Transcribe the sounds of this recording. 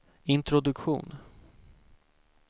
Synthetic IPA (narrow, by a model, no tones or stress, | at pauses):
ɪnt̪ɾʊd̪ɵkɧṵːn